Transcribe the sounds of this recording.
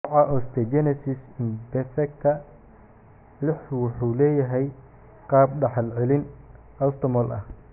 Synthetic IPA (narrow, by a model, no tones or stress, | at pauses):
ʕɑʔɔst̪ʰɛd͡ʒɛnɛsɪsɪnbɛfɛk̚t̪ʰɐ | lɪħwʊħuːlɛːjɐɦɛj | qɑːb̚ɖɑħɑlʕɛlɪn | ɐst̪ʰɔmɔlʔɐ̰h